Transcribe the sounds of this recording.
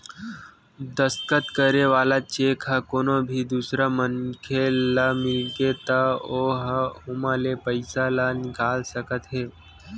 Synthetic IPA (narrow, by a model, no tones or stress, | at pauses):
d̪əskət̪kəɾeʋaːlat͡ʃeːkʰakoːnobʱiːd̪uːsɾaməŋkʰelamɪlɡet̪aoːɦaomaːlepəɪsalanɪkaːlsəkət̪ɦeː